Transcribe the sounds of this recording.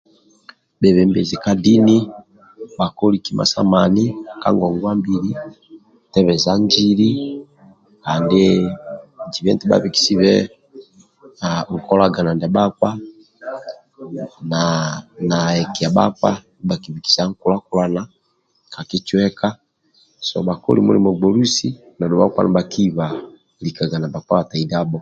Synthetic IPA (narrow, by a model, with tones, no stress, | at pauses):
bɛβɛmbɛ̰˨zi˨ka˦di˦ni˦ | ba˨kɔ˦li˨ki˨mʔa̰˨sa̰˦manika̰˦ŋɡɔ˨ŋɡwa˦mbili | tɛβɛ˨za˦ɲd͡ʒili˦ | ka˨ndɛ | d͡ʒi˨βɛ˦ntɛ˦ba̰βi˨ki̥˨si˦βɛ | aŋ̩˨kɔ˦laɡa˨na˨ndɛ˨ba˦fa˦ | nana˨ɛ˨ki˨ja˨ba̰fa̰˦ | ba˨ki˨βiki̥˨sia˦ŋkula˦kulana | ka˨ki˦t͡ʃwɛ˦ka˦ | sɔba˨kɔ̰˦lḭmṵ˦li˨mɔ˨ɡ͡bɔlu˦si | na˨dɔ˨ba̰ka̰˦nabakiβa | lika˨ɡa˨na˨ba˨ka˦βa˨ta˨ida˦bɔ